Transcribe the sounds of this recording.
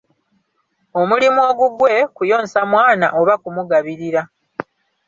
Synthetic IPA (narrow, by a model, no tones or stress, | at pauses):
o̞mulimuo̞ːɡuɡwe̞kujo̞ːnsamwaːna̰ʔo̞βakumuɡaβiɾiɾa